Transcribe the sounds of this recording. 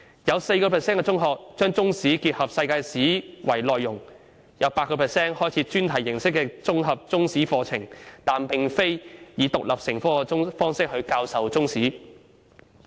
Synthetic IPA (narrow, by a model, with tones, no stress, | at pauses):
jɐ˨˧wse˧jkɔː˧pʰɛ˨˩sɛː˥nkɛː˧t͡sʊ˥ŋɦɔː˨k̚t͡ʃœː˥ŋt͡sʊ˥ŋsiː˨˥kiː˧t̚hɐ˨p̚sɐ˧jkaː˧siː˨˥wɐ˨˩jlɔː˨jːʊ˨˩ŋ | jɐ˨˧wpaː˧t̚kːɔː˧pʰɛ˨˩sɛː˥nhɔː˥jt͡sʰiː˨˧˥t͡ʃyː˥nt̪ʰɐ˨˩jːɪ˨˩ŋsɪ˥kːɛː˧t͡sʊ˥ŋɦɐ˨p̚t͡sʊ˥ŋsiː˨˥fɔː˧t͡sʰɪ˨˩ŋt̪aː˨npɪ˨ŋfe˥jjiː˨˧˥t̪ʊ˨k̚lʔɐ˨˩p̚sɪ˨˩ŋfɔː˥˧ʊ˥fɔː˥ŋsɪ˥k̚hɵ˧ɥkaː˧wsɐ˨wt͡sʊ˥ŋsiː˨˥